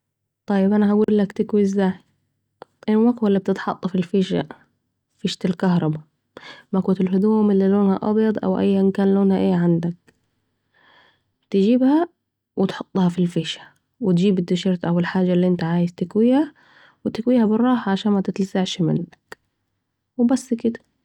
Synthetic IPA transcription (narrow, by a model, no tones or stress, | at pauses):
t̪ˤɑjːɪbʔanaɦaɡuːlːakt̪ɪkwiɪzːaːj | ʔɪnːwaqwalːib̚t̪ɪt̪ħɑ̰t̪ˤːɑfilfiːʃa̰ | fiːʃt̪alkahɾˤɑba | makuːt̪ɪlɦʊd̪uːmɪlːiloːnha̰ʔɑ̰bjɑd̪ˤʔa̰wʔa̰jːaʔɪnkaːnloːnhaʔeːʕand̪ak̚ | t̪ɪd͡ʒiːbha | wʔɪt̪ħʊt̪ˤːhɑfilfiːʃḁ | wɪt̪d͡ʒiːbɪd̪ːɪʃɑɾˤt̪ʔawɪlħaːd͡ʒːalːiʔɪnt̪aʕaːjɪzt̪ɪkwiːha | wɪt̪ɪkwiːhabɪrˤːɑːħaʕaʃaːnmat̪ɪt̪lazaʕʃmɪ̰ndak | wɪbasːkɪd̪ḁ